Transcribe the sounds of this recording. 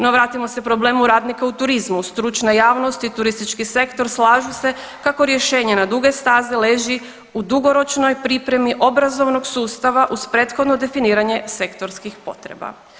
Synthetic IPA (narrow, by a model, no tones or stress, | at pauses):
no̞ʋɾaːt̪imo̞sepɾo̞ble̞ːmuɾaːd̪nikaut̪uɾizmust̪ɾut͡ʃnajaːʋno̞st̪it̪uɾist̪it͡ʃkise̞kt̪o̞ɾslaːʒuse̞ | kako̞ɾje̞ʃe̞ːɲe̞nad̪uɡe̞st̪aːzele̞ːʒi | ud̪uɡo̞ɾo̞t͡ʃno̞jpɾipɾe̞miʔo̞bɾazo̞ʋno̞ɡsuːst̪aʋaʔuzpɾe̞ːt̪xod̪no̞d̪e̞finiːɾaɲe̞se̞kt̪o̞ɾskixpo̞̰t̪ɾe̞̰ba̰